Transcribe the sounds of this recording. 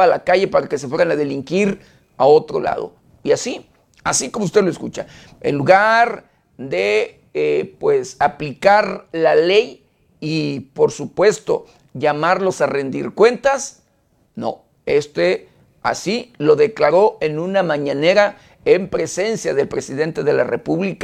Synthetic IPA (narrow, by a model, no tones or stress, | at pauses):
alakaʝe̞paɾake̞sefwe̞ɾanaðe̞liŋkiɾ | ao̞t̪ɾo̞̰la̰ðo̰ | iasi | asikomoust̪eloeskut͡ʃa | ḛnluɣaɾ | d̪e | epwesaplikaɾlalej | ipo̞ɾsupwe̞st̪o̞̰ | ʝamaɾlo̞sare̞nd̪ḭɾkwe̞nt̪as | no̰ | est̪e | a̰silo̞ðeklaɾo̞e̞nũnamãɲane̞ɾa | empɾe̞se̞nsjaðe̞lpɾe̞siðe̞nt̪e̞ðe̞la̰repuβlika